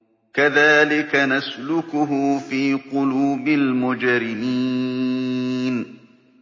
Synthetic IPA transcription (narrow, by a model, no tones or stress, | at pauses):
kaðaːlɪkanaslʊkʊɦʊfiːqʊluːbɪlmʊd͡ʒɾɪniː | n